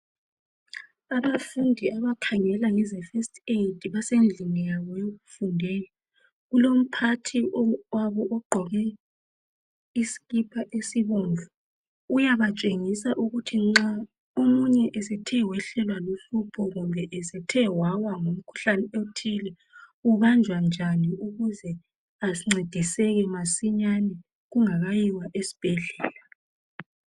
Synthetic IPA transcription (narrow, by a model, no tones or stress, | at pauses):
aβafundʱiaβakʰaŋɛlajizɛfɛstʰʼedʱiβasend͡ɮʱimɛjaβɔjoɣufundʱɛːjɔ | ɣulom̩pʰatʰiwaβɔʔɔɡ͡ǃʱɔɣɛ | isi̥ɣipʰaʔesiβɔnvʱu | ujaβat͡ʃʼeŋisaʔuɣutʰiŋ͡ǁa | omuɲɛʔɛsɛtʰɛwɛɬɛlwaluɬupʰɔɣumbʱɛʔɛsɛtʰɛwawaŋom̩kʰu̥ɬanɛotʰilɛ | uβand͡ʒʱwand͡ʒʱaniuɣuzɛ | aiŋ͡ǀed̥ʱisɛɣɛmasiɲanɛ | ɣuŋaɣajiwaʔesi̥b̥ʱɛɮɛːla